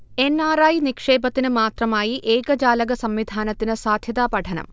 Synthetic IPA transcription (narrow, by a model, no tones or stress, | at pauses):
e̞nːaːraːjnikʂe̞ːbɐt̪ːinɨmaːt̪rɐmaːjiʔeːɡɐd͡ʑaːlɐɡɐsɐmʋid̪ʱaːnɐt̪ːinɨsaːd̪ʱjɐd̪aːpɐʈʰɐnɐ̰m